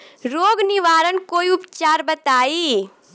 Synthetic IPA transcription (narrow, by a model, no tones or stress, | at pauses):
ɾoːɡnɪʋaːɾənkoːiʊpt͡ʃaːɾbɐt̪aːiː